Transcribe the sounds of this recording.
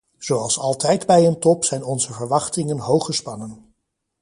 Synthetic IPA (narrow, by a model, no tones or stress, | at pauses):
z̥owɑlˠsɑlˠtɛjdbɛjəntɔpsɛjnɔnzəvəɹʋɑχtɪŋənɦowχəspɑnən